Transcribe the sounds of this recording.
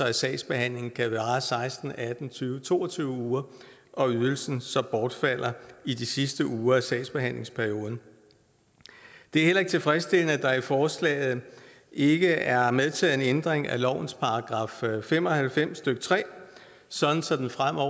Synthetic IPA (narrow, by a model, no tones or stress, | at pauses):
ɒæsɛ̰ːɪsb̥e̝hæn̰le̝ŋn̩kʰæʋɑ̈ːsɑ̈ɪsd̥n̩æd̥n̩t͡sʰyːʊət͡sʰo̝̰ːɒt͡sʰyːʊəuːɐ | ʔɒ̽yðˠl̩sn̩sɒ̽b̥ɒːd̥fæl̰ɐid̥isisd̥əʔuːɐæsɛ̰ɪsb̥e̝ɦæn̰le̝ŋspʰæɐio̝ːð̞ˠn̩ | d̥e̝æɐhel̰ɐe̝ɡ̥̚t͡sʰe̝lfʁɛsd̥e̝l̰nəæd̥ɑ̈ifɒːslɛ̰ːɪð̞̩ˠ | e̝ɡ̥əæɐmeðˠt͡sʰɛ̰ːð̩ˠenend̥ʁeŋælɒʊ̰n̩spʰɑ̈ɑ̈ɡ̥ʁɑ̈ːffem̰ɒ̽hælfem̰sːd̥øɡ̥ət͡sʰʁɛ̰ː | sɒ̽d̥n̩sɒ̽d̥enfʁam̰ɒ̰